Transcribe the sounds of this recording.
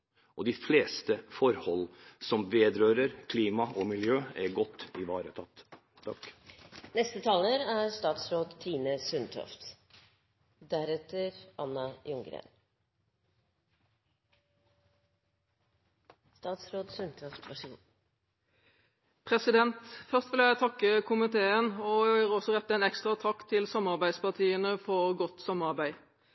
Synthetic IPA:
ʔɔd̪ɪfleːst̪əfɔɾhɔlsɔmʋeːd̪ɾøːɾəɾkʰliːmɑʔɔmɪljøːɛɾɡɔt̪ːɪʋɑːɾət̪ʰɑt̪ː | t̪ʰɑknɛst̪ət̪ʰɑːləɾæɾst̪ɑːt̪sɾoːd̪t̪ʰiːnəsʉnt̪ʰɔ̰ft̪ | d̪æɾɛt̪əɾʔɑnːɑjʊŋɡɾḛːn | st̪ɑːt̪sɾoːd̪sʉnt̪ʰɔft̪ʋæʂṵːn | pʰʁɛsɪd̪ɛnt̪fœʁst̪ʋɪljæɪt̪ʰɑkːəkʰʊmɪt̪ʰeːənɔɔsɔʁɛt̪ːəæɛnɛkst̪ʁɑt̪ʰɑkːt̪ʰɪlsɑmɑʁbæɪd̪spɑt̪ʰiːənəfɔʁɡɔt̪sɑmːəɑʁbæɪ

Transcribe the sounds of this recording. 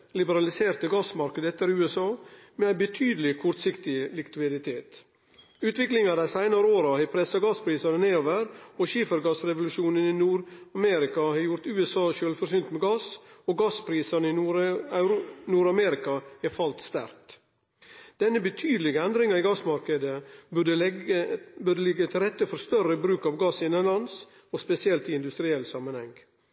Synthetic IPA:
lɪbəɾɑlɪseːɾt̪əɡɑsmɑɾkəd̪əɛt̪ːəɾʉːɛsɑːmɛæɪbət̪ʰyːd̪əlɪkʰɔɾt̪sɪkt̪ɪlɪkʋɪd̪ɪt̪ʰeːt̪ | ʉːt̪ʋɪklɪŋɑd̪æɪsæɪnɑɾəoːɾɑhɛpʰɾɛsɑɡɑspʰɾiːsɑnəneːoːʋəɾɔʃiːfəɾɡɑsɾɛʋʊlʉʃuːnəninuːɾɑmɛɾɪkɑhɑːjʊɾt̪ʉːɛsɑːʃøːlfɔɾsyːnt̪mɛɡɑsɔɡɑspʰɾiːsɑnəɪnːɾ | nuːɾɑmɛɾɪkɑɛɾfɑlt̪st̪æ̰ɾt̪ | d̪̥ɛnːəbət̪ʰyːd̪əlɪɡəɛnd̪ɾɪŋɑɪɡɑsmɑɾkəd̪əə | bʉɖəlɪɡːət̪ʰɪlɾɛt̪ːəfɔɾst̪œrəbɾʉːkɑʋɡɑsːɪɛnɛnlɑns | ɔspɛsɪɛlt̪ɪɪnd̪ʉst̪ɾɪɛlːsɑmənhɛŋ

